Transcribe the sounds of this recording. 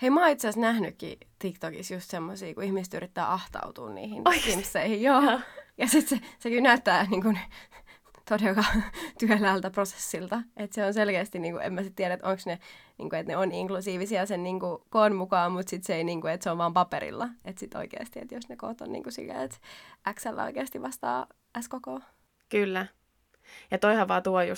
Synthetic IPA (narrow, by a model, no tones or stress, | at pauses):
eimɑːit̪seæsnæhnykːḭt̪ikt̪okḭsjust̪semːosiːkuihmiset̪yrʔit̪ːæ̰ːʔɑht̪ɑ̰ut̪ṵːnnḭːhinimsːeihijjoːjɑsit̪sesekinæyt̪ːæːniːŋkun | t̪odelːɑt̪yælæːlt̪æprose̥sːilt̪ɑʔet̪seonselkeːst̪iniːŋkuḛmːmæsit̪tiæɾæet̪ʔoŋksnenḭŋkuet̪neoniŋklusiːʋisiɑsenniːŋkukoːnmukɑːmut̪sit̪seeiniːŋkuet̪seoʋʋɑːmpɑpeɾḭlːɑet̪sit̪o̰ikḛːst̪iḛt̪josneko̰ːt̪o̰nnḭːŋkusḭlːḛːet̪ʔæksælːæ̰o̰ikeːst̪iʋʋɑst̪ɑ̰ː | æskokoː | kylːæ | jɑt̪oihɑʋʋɑːt̪uojṵ